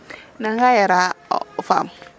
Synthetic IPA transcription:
nãŋɡajɛɾafa̰m

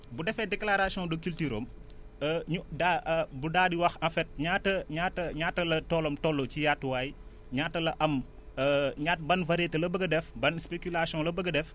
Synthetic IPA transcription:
budɛfɛdɛklaɾasiɔ̃dɐkyltyɾo̰ːm | əɲudabudaːdiwɐxɐ̃fɛt̚ɲaːtɐɲaːtːɐɲaːtːɐlɐtɔlomtɔlːocijatːwaːj | ɲaːtːɐlɐʔɐm | ɲatbɐnvɐɾɛtɐlɐbəɡɐdɛfbɐnspekulasiɔ̃lɐbəɡɐdɛf

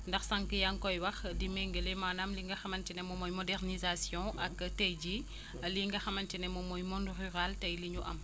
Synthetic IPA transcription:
ndɐxsaŋkəjaŋkɔjwɐxdimɛŋɡəlemaːnamliŋɡɐxɐmɐntinɛmɔmɔjmɔdɛrnizasjɔ̃ʔɐktɛjd͡ʒi | liŋɡɐxɐmɐntinɛmɔmɔjmɔ̃ndryɾaltɐjliɲuʔɐ̰m

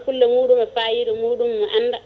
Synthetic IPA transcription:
kulːɔmuːɗumafaːjiɾumuːɗumːɔʔanda

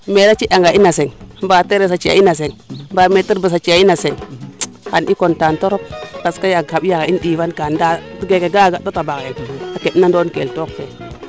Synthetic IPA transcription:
meɾat͡ʃiʔaŋɡaʔinaseŋmbateɾes̬at͡ʃia̰inas̬eŋbametiɾbəs̬at͡ʃiainaseŋ | hanʔikontantoɾop̚baskajaabjakaindivankandaɡekeɡaɡatatabaɣeakeɗnandonkeltok̚fe

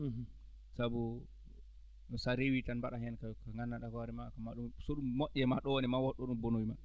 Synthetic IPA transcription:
sabu | saɾewitanbaɗahɛnkakaŋɡanːaɗakɔaɾɛmakamaɗumsɔɗumːɔʔʲːɛmaɗɔwɔnɛmawɔɗːɔɗumbonowiman

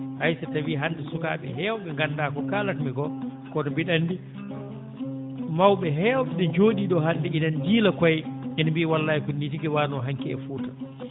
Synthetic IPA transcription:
hajsatawiːɦandɛsuka̰ːɓɛ̰ɦɛːwɔɓɛŋɡandaːkɔkaːlatmiɡɔkɔɗɔbiɗanːdi | mawɓɛɦɛːwɓɛɗɛd͡ʒoːɗiɗɔɦandɛinand͡ʒiːlakɔjɛnbiwalːaːikunːit̬iɡɛwaːnɔɦaŋkiɛ̰fuːtḁ

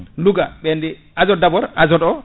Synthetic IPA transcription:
luɡaɓɛndiʔazɔdabɔɾazɔdɔ

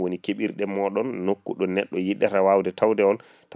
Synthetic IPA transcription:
wonikeɓiɾɗɛmɔɗɔnːokːuɗɔnɛɗːɔjiɗːatawawdɛtawdɛɔn | ta

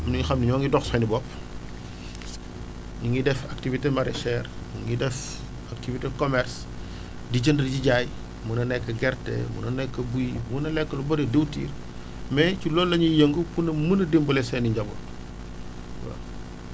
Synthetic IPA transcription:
niŋixɐmniɲɔŋɡidɔxsɐnibɔp | ɲuŋɡidɛfak̚tivitemaɾɛ̰ʃɛr | ɲuŋɡidɛf | ak̚tivitekɔmɛɾs | diɟəndəɾɟiɟaj | munɐnɛkːɐɡɛrtḛmṵnɐnɛkːɐbujmunɐlɛkːɐlubɐdedewtḭːr | mɛt͡ʃulɔːlːɐɲijəŋɡupunɐmunɐdimbulɛsɛniɲɟɐbo̰t | wɐ̰

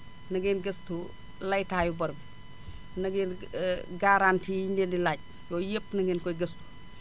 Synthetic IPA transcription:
nɐɡɛnɡɐstu | lɐjtaːjubɐɾbi | nɐɡɛnɡaɾaːntiːjindendilaːc̚ | lɔːjepːnɐɡɛnkɔjɡɐstu̥

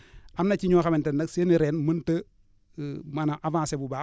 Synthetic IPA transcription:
amnat͡ʃiɲoxamɛntenakseniɾenmɐntə | manaʔavãːsebubaː

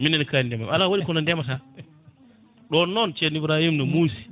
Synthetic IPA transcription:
minɛnkanindɛmamalawaɗikɔnɔndɛmata | ɗɔnːɔnt͡ʃenibɾahimnɔmusi̥

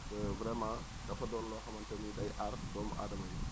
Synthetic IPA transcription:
tɛvɾɛmãː | dɐfɐdɔːllɔːxɐmɐntɛmidɐjʔartdɔmʔa̰ːdɐmɐju

